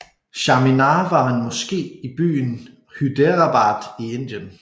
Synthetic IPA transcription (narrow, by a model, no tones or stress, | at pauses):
ɕɑ̈minɑʋɑ̈hænmɒ̽sɡ̥e̝̰ːib̥y̰ːn | hyd̥eʁɑb̥ɑ̈ːd̥ie̝n̰d̥jən